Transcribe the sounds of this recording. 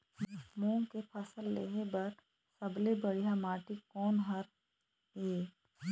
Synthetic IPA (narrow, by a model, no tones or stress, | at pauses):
mõːŋkepʰɐsəlːḛːɦebɐɾ | sɐblebəɽijamaːʈikɔːnɦɐɾ | eː